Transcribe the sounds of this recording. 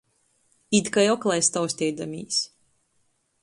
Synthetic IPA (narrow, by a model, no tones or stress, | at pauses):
id̪kajɔklˠajst̪awsʲt̪ʲɛjd̪amʲḭːsʲ